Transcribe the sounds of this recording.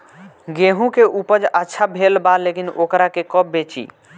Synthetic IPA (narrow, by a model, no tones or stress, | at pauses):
ɡeɦũkeʔupəd͡ʒətːʃʰabʱelbalekinokɾakekɔp̚bet͡ʃḭ